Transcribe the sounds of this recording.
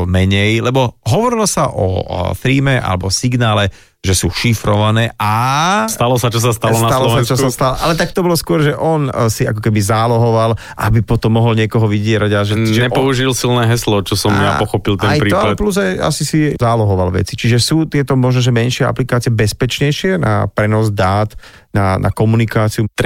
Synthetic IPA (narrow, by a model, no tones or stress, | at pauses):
mɛɲɛjlɛbɔɦɔʋɔɾilɔsaʔɔ̰θɾiːmɛʔa̰lɛbɔsiɡnaːlɛ | ʒɛsuːʃifɾɔʋanɛːʔast̪alɔsat͡ʃɔs̬ast̪alɔnat̪allɔsɛast͡ʃɔsast̪alɔʔalɛt̪ak̚t̪ɔbɔlɔskʊɔɾʒɛʔɔnsia̰kɔkɛbizaːlɔɦɔʋal | ʔa̰bipɔt̪ɔmːɔɦɔlɲɪɛkɔɦɔʋiɟɪɛɾaɟaʒɛʒɛɲɛpɔuʒilsilnɛːɦɛslɔt͡ʃɔsɔmjapɔxɔpilt̪ɛajpɾiːɔaalɛt̪pluzaja̰sisizaːlɔɦɔʋalʋɛ̰t͡sit͡ʃiʒɛsuːt̪ɪɛt̪ɔmɔʒnɔʒɛmɛnʃɪɛa̰plikaːt͡sɪɛbɛspɛt͡ʃɲɛjʃɪɛnʔa̰pɾɛnɔzd̪aːt̪ | nana̰kɔmunikaːt͡siut̪